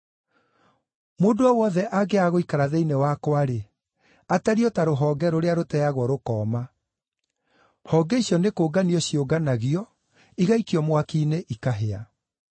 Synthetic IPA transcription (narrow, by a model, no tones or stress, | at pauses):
moːndoɔwɔðɛʔaɡeaɣoikaɾaðeinewakwaɾe | ataɾiɔtaɾoɦɔːɡɛɾoɾeaɾotɛaɣwɔɾokɔːma | hɔːɡɛiɕjɔnekoːɡaniɔɕjoɡanaɣiɔ | iɣaikiɔmwakiːneʔikaɦea